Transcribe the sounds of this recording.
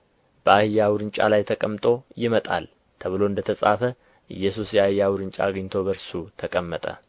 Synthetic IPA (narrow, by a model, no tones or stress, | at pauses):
b̥əahɨjːawʊɾɨnt͡ʃʼa̰lajt̪ʰəkʼəmt̪ʼo̞jɪmət̪ʼa̰l | t̪ʰəβɨlo̞ɨnd̪ət̪ʰəsʼafə | ʔɨ̰jːɛsusjɛaɨjːawʊɾɨnt͡ʃʼa̰ːɡɲt̪ʰo̞bəɾsut̪ʰəkʼəmːət̪ʼə̰